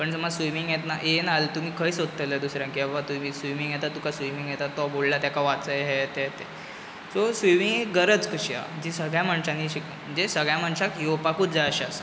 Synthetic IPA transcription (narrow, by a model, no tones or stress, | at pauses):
pəɳməsʋimiŋɡjet̪naʔenalt̪um̤iːkʰəisod̪t̪əled̪usɾjãŋkiabbat̪umiːsʋimiŋɡjɛt̪at̪ukasʋimiŋɡjɛt̪at̪ːɔbollat̪jakaʋat͡səjɦɛt̪ɛt̪ɛ | sosʋimiŋɡeɡəɾət͡skəɕia̰əd͡ʑisəɡɭjaməɳɕãnːiɕik | m̤əɳd͡zesəɡɭjaməɳɕakijopakuːt͡sd͡zaəɕias